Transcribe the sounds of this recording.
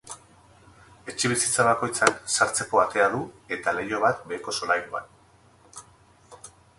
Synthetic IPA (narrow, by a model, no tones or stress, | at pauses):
e̞t͡ʃiβ̞isit͡saβako̞jt͡saksaɾt͡se̞ko̞at̪e̞að̞ue̞t̪ale̞jo̞β̞at̪̚be̞ːko̞so̞lajɾua̰n